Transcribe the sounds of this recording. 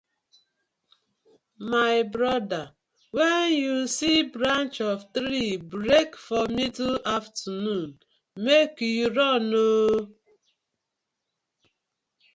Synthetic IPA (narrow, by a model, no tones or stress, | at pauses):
maɪbɾɔda | wɛnjusibɾant͡ʃɔvtɾibɾekfɔmituaftnun | mekjuɾɔno